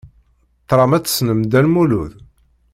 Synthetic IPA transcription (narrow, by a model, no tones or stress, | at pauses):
t̪ːɾˤɑmæt͡sːə̥snəmd̪ælmuluð